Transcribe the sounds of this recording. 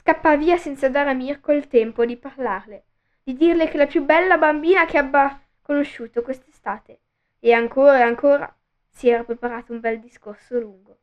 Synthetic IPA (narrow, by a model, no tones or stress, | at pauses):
skapːaviːasɛnt̪sad̪aːɾamirkoilt̪ɛmpod̪iparlarle | d̪̥id̪irlek̟elapjubɛlːabambiːnakeabːa | konoʃːuːt̪okwest̪est̪aːt̪e | eaŋkoːɾaeaŋkoːɾa̰ | siɛːɾapɾepaɾaːt̪oumbɛld̪iskorsoluŋɡo